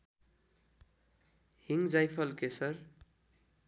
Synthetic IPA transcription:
hiŋd͡zajpʰʌlkesʌr

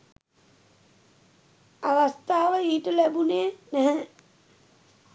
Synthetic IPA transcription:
aʋast̪aːʋəiːʈəlæbuneːnæɦɛ

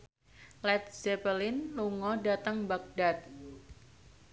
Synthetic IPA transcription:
lɛt̪̚zɛpəlɪnluŋɔdat̪əŋbaɡ̚dat̪̚

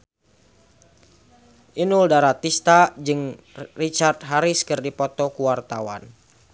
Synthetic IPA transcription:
ʔinuldaɾat̪ist̪ad͡ʒɨŋrit͡ʃart̪̚ɦaɾiskɨrdipɔt̪ɔkuwart̪awa̰n

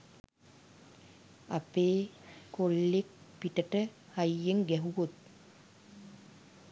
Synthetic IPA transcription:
ɐpeːkːolːek̚piʈəʈə | hɐjːeŋɡɛɦuʋot̪̚

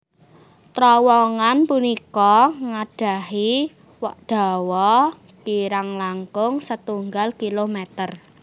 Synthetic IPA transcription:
t̪ɾɔwɔŋanpunikɔŋaɖ̥a̤hi | wɔʔɖ̥a̤wɔ | kiɾaŋlaŋkʊŋsət̪uŋɡalkilomet̪ər

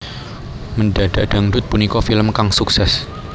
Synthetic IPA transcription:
mənɖa̤ɖ̥aɖ̥a̤ŋɖʊt̪̚punikɔfiləmkaŋsuksɛs

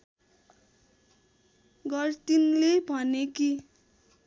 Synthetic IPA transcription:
ɡʌrt̪inlebʱʌneki

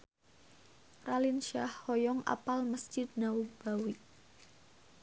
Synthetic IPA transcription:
ralinʃahːɔjɔŋa̰palməsd͡ʒ̥ɪd̪̚naub̥awiʔ

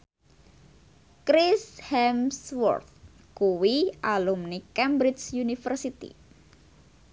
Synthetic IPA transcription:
kɾishɛmswɔ̰rt̪̚ | kuwiʔalumnikɛmbɾit͡ʃsjunifərsit̪ḭ

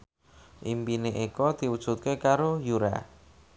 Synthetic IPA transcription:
ʔimpineʔekɔd̪̥i̤wud̥ʒ̥ṳt̪̚kekaɾojuɾa̰

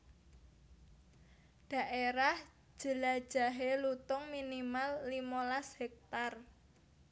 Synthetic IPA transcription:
ɖ̥ä̤ʔeɾah | ʒ̥ə̤lad̥ʒ̥a̤ɦelut̪ʊŋminimalːimolashɛk̚t̪ar

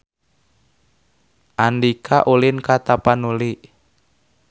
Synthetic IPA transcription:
ʔandikʰaʔulinkat̪apanuliʔ

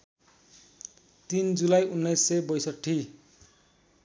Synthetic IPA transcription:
t̪ind͡zulajunːʌjsːʌjbʌjsʌʈʰːi

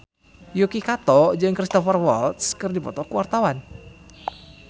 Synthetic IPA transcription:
jokikat̪ɔd͡ʒɨŋkɾist̪ɔfərwɔlt̪skɨrdipɔt̪ɔkuwart̪awan

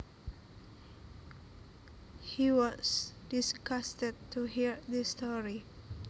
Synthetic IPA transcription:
hiwɔsdiskastəd̚tːuɦiɹdistɔɹi

